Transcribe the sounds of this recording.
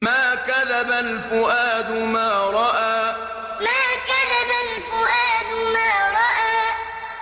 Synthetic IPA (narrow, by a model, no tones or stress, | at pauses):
maːkaðabalfʊʔaːd̪ʊmaːɾˤɑʔaː | maːkaðabalfʊʔaːd̪ʊmaːɾˤɑʔaː